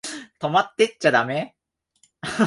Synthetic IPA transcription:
t̪omat̪͈ːet̚t͡ɕ͈ad̪ame

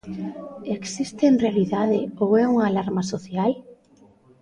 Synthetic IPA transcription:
eksist̪enrealiðaðɪoɛuŋaːlaɾmasoθjal

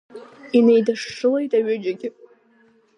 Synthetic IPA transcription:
inejdɨʂːɨle̞jtʼaɥɪd͡ʒaɡʲɪ

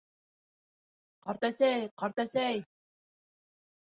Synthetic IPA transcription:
qɑɾt̪æsæjqɑɾt̪æsæj

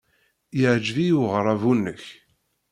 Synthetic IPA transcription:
jəʕd͡ʒvijuʁɾˤɑvunːəç

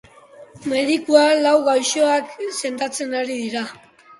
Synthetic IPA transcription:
me̞ðikualawɣajʃoakse̞nd̪at͡se̞naɾiðiɾa

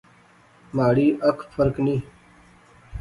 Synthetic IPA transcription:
maːɽiːʔəkʰfʰəɾknĩː

